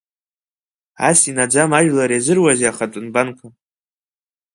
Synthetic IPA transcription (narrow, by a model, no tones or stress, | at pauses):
a̰sinad͡ʒamaʒᶣlaɾazɨrwazeaχatʷʼʊnbankʷʰa